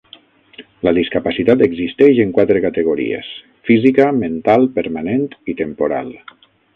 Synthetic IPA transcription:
ləðiskapasit̪at̪eɡzist̪ɛʒeŋkwat̪ɾekat̪eɣ̞oɾḭḛs | fizikəment̪alˠpəɾmanent̪it̪empoɾa̰lˠ

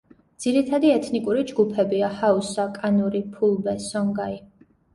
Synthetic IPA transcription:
d̪z̥iɾit̪ʰad̪iɛt̪ʰnikʼuɾid͡ʒɡupʰɛbiahausakʼanuɾipʰulˠbɛsɔŋɡai

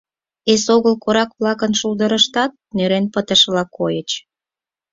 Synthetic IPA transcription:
esoɣəlkoɾɑkβlɑkənʃuld̪əɾəʃt̪ɑt̪̚nøɾenpət̪əʃlɑkojət͡ɕ

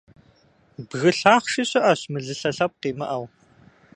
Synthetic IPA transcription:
bɣɨɬaːχʃiɕɪʔɐɕmɨɮɨɬɐɬɐp̚qiːmɐ̰ʔɐw

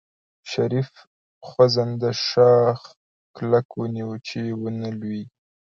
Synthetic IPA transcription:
ʃaɾif | xwazand̪əʃɑx | klakwəniwət͡ʃewənalwi

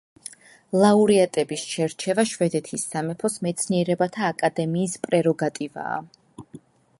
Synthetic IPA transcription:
lˠauɾiat̪ʼɛbisʃɛɾt͡ʃʰɛvaʃvɛd̪ɛt̪ʰisːamɛpʰɔsmɛt̪sʰniɛɾɛbat̪ʰaːkʼad̪ɛmiːspʼɾɛɾɔɡat̪ʼiva̰ː

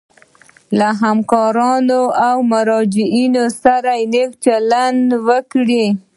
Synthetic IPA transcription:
laɦamkɑɾɑnoawmʊɾɑd͡ʒɪʔinosaɾajnekt͡ʃalandwəkɽi

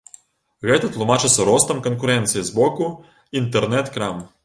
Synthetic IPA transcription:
ɣɛt̪ɐt̪lˠumat͡ʃɨt̪sːɐɾɔst̪ɐmkɐnkuɾɛnt̪sɨjizbɔku | int̪ɛrnɛt̪kɾam

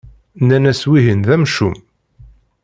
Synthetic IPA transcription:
nænæswiɦənðæmʃum

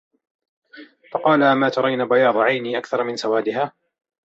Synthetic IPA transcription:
fɑqɑːlamaːt̪ɑɾˤɑjnaːbajɑːd̪ˤʕajniːʔakθɑɾˤmɪnsawaːd̪ɪɦaː

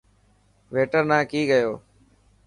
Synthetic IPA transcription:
ʋeːʈəɾnãːkiːɡəjoː

